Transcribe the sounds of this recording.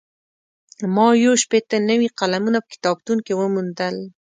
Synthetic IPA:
mɑjoʃpet̪ənəwiqalamunapə̥kɪ̥t̪ɑb̚t̪uŋkewəmund̪əl

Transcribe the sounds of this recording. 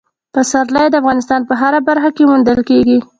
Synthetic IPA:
pəsaɾlajd̪əafɣɑnɪst̪ɑnpəɦaɾabaɾxakemund̪əlkeɡi

